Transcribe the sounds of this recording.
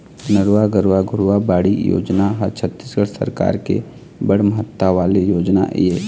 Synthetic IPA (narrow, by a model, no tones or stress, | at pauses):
nəɾwaɡəɾwaɡʱʊɾwabaːɽijo̰ːd͡ʒnaɦət͡ʃʰət̪ːisɡəɽsə̰ɾka̰ːɾkḛ | bəɽ̤məɦət̪ːaʋaːlejoːd͡ʒna̰ʔjeː